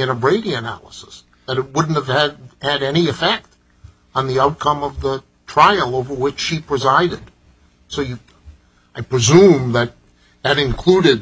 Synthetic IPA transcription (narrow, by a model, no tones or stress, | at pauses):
ɨ̃nəɹeɪɾiɨnæ̰lˠəsə̥s | ðɨɾɨt̚wʊdⁿn̩t̚ɨv̥ɨdhɨɾɛniɨfɛk̚t | n̩ðiaʊt̚kʰʌ̃mʌvðə | tʰɹ̥aɪl̩ˠoʊvə˞wɪt͡ʃʃipʰɹ̥ɨzaɪɾɨd̥ | soʊjɨ | aɪpʰɹ̥ɨzũmðɨt̪̚ | ðɨɾɨ̃nkʰl̥uɾɪd̚